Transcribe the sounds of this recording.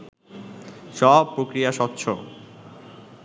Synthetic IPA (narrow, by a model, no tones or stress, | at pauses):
ʃɔpːɾokɾijaʃɔt̪ːɕʰo